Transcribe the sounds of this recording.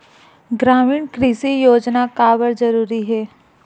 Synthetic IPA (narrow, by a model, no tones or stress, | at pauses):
ɡɾaːmiːɳkɾiːsijoːd͡ʒnakaːbəɾd͡ʒɐɾuːɾiɦɛː